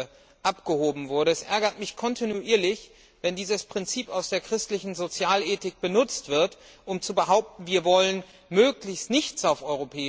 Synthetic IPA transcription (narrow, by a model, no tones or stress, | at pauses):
ʔapɡ̥əhoːbm̩vʊɐɾəɛsʔɛɐɡɐtmɪçkʰɔntʰinuʔiːɐlɪç | vɛndiːzəspʁ̥ɪnt͡siːpaʊsd̥eːɐkʁ̥ɪstlɪçn̩zot͡sjaːleːtɪk̚b̥ənʊt͡stv̥ɪɐt | ʔʊmt͡subəɦaʊp̚tn̩viːɐvɔlən | møːklɪçstnɪçt͡saʊfʔɔʏʁ̞opʰɛː